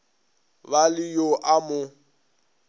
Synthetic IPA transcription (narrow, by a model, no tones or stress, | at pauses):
balɪjoʔamʊ